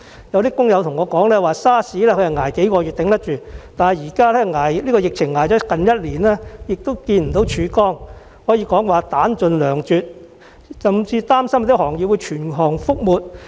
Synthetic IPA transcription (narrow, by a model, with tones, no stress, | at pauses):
jɐ˨˧wt̪iː˥kʊ˥ŋjɐ˨˧wt̪ʰʊ˨˩ŋɔː˨˧kɔː˨˥ŋlɛː˥waː˨saː˥siː˨˥lɛː˥kʰɵ˧jɐ˨ŋaː˨˩jke˨˥jkɔː˧ɥy˨t̪ɪ˨˥ŋt̪ɐ˥t̚t͡ʃyː˨˧t̪aː˨nhɐ˨jiː˨˩kaː˥lɛː˥ŋaː˨˩jliː˥kɔː˧jɪ˨k̚t͡sʰɪ˨˩ŋːaː˨˩jt͡ʃɔː˨˥kɐ˨njɐ˥t̚liː˨˩nlɛː˥jɪ˨k̚t̪ʊ˥wkiː˧nm̩˨˩t̪o˨˥wt͡ʃʰyː˨˧kɔː˥ŋ | hɔː˨˥jiː˧kɔː˨˥ŋwaː˨˧t̪aː˨˥nt͡ʃɵ˨˧nlœː˨˩ŋt͡ʃyː˨t̚ | sɐ˨mt͡siː˧t̪aː˥msɐ˥m˧t̪i˥hɔː˨˩ŋjiː˨˧wuː˨˧jt͡ʃʰyː˨˩nɦɔː˨˩ŋfʊ˥k̚muː˨t̚